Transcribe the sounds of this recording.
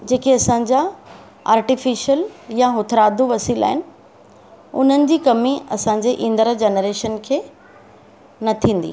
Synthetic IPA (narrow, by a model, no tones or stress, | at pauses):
d͡ʑeːkiɐsã̆d͡ʑa | a̰ːɾʈifiːʃəljaɦʊt̪ʰɾaːd̪ʱuʋɐsiːla̰ːɦɪnɪ̆ | ʊ̰n̤ənɪ̆d͡ʑiːkɐmiɐsãɲ̆d͡ʑeʔĩːnd̪əɾad͡ʑenəɾeːʃənkʰeː | nɐt̪ʰĩːn̆d̪ḭ